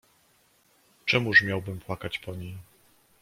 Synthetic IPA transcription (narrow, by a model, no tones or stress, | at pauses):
t͡ʂɛmuʐmʲjawbɘmpwakat͡ɕpɔɲej